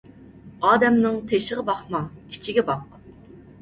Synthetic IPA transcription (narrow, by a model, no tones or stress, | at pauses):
ɑːd̪ɛmnɨŋt̪ʰeʃɪʁəbɑχmɑit͡ʃʰiɡʲɛbɑq